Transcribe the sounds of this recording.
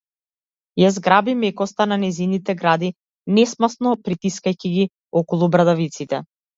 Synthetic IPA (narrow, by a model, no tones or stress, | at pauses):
jazɡɾabimɛkɔst̪ananɛjzinit̪ɛɡɾad̪i | nɛsmasnɔpɾit̪iskajciɡi | ɔkɔlˠubɾad̪avit̪sit̪ɛ̰